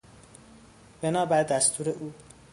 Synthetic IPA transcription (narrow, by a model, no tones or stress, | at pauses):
b̥enɒːbæɾd̪æst̪ʰuːɾeʔuː